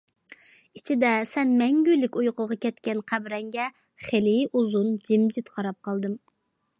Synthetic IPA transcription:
it͡ʃʰid̪ɛsɛnmɛŋɡʲyjlːɪkʲujqʊʁɑkʲɛt̪kʲɛnqʰæbɾɛŋɡʲɛ | χelɪuzund͡ʒɪmd͡ʒɪt̪qʰɑɾɑp̚qʰɑlˠd̪ɨm

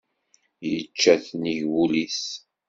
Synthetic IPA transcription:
jət͡ʃːæθniʝwulis

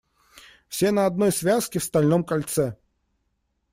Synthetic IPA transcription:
fsʲenɐɐd̪̚nojsvʲaskʲɪfst̪ɐlʲnomkɐlʲt̪sɛ

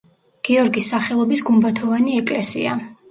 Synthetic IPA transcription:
ɡ̥iɔɾɡisːaχɛlˠɔbisɡumbat̪ʰɔvaniɛkʼlɛsḭa̰

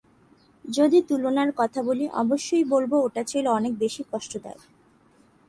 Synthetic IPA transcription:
d͡ʑod̪it̪ulonaɾkɔt̪ʰaboliʔɔ̰boʃːojbolbooʈat͡ɕʰeloɔnek̚beʃikɔʃʈod̪a̰e

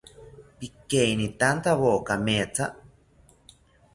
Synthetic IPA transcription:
pikeinit̪ant̪aβoːkameːt͡sʰa

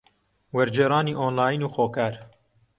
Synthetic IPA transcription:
wɐɾd͡ʒeːɾɑːniːʔoːnlaːjnuːxoːkaːɾ

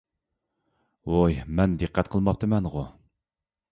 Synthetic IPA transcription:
ojmɛnd̪ɨqːɛt̪qʰəlˠmɑp̚t̪ʰɨmɛnʁʊ

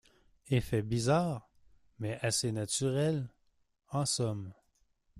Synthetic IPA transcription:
efɛbizaːʁ | mɛʔasenat̪yʁɛl | ɑ̃sɔm

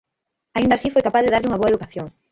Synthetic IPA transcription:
aind̪asifojkapaðeðaɾʎuŋɐβoɐeðukaθjoŋ

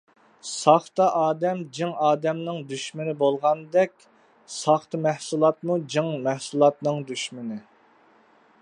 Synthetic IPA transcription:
sɑχt̪ɑʔɑːd̪ɛmd͡ʒɪŋɑːd̪ɛmnɨŋd̪yʃmɪnɪbolˠʁɑnd̪ɛkʲ | sɑχt̪ɨmɛhsulˠɑt̪̚mud͡ʒɨŋmɛhsulˠɑt̪nɨŋd̪yʃmɪnɪ

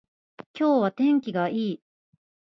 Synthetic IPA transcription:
kʲo̞ːβat̪ẽ̞ŋkʲiɡaiː

